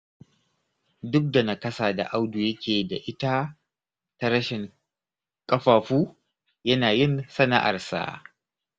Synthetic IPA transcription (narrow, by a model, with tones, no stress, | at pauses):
dʊ˦k̚da˨nɐ˨kɐ˦saː˨da̰˨ʔa˦wdu˨jɐ˦kʲeː˨da˨ʔɪ˦ta˦ | ta˦ɾɐ˦ʃɪ˨ŋ | kʼɐ˦ɸaː˨ɸuː˦ | jɐ˦naː˨jɪ˦nsɐ˦na̰˦ʔa̰˨rsa̰˦˨